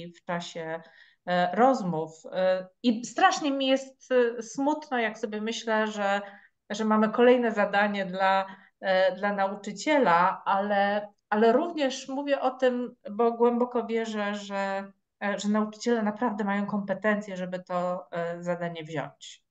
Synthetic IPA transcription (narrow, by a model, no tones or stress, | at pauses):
ft͡ʂaɕɛ | ɾɔzmufist̪ɾaʂɲɛmʲijɛst̪smut̪nɔjaksɔbʲjɛmɘɕlɛʐɛ | ʐɛmamɘkɔlɛjn̪ɛzad̪aɲɛd̪la | d̪lanaut͡ʂɘt͡ɕɛlaʔalɛ | alɛɾuvɲɛʂmuvʲjɛʔɔt̪ɘmbɔɡwɛmbɔkɔvʲjɛʐɛʐɛ | ʐɛnaut͡ʂɘ̥t͡ɕɛlɛnapɾavd̪ɛmajɔ̃w̃kɔmpɛt̪ɛnt̪sʲjɛʐɛbɘt̪ɔzad̪aɲɛvʑɔ̰ɲt͡ɕ